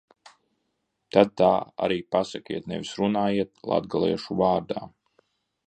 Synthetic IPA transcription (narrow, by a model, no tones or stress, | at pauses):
t̪ad̪̚t̪aːa̰ɾiːpasakʲiɛt̪nɛvʲisɾunaːjiɛt̪̚lˠa̰d̪ɡalˠɛ̰ɛʃuvaːɾd̪aː